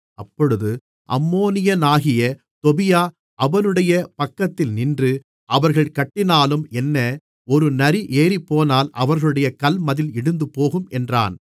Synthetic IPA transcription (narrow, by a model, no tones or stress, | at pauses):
ʔɐpːɔɻɯðɯ | ʔɐ̰mːoːnɪjɐnaːɣɪjɐ | t̪ɔbɪjaː | ʔɐʋɐnɯɽɐjɐpɐkːɐt̪ːɪlnɪndrɯ | ʔɐʋɐɾɣɐɭkɐʈːɪnaːlɯmɛnːɐ | ɔɾɯnɐɾiʔeːɾipːoːnaːlʔɐ̰ʋɐɾɣɐɭɯɽɐjɐkɐlmɐðɪlɪɽɯnd̪ɯpoːɣɯmɛndra̰ːn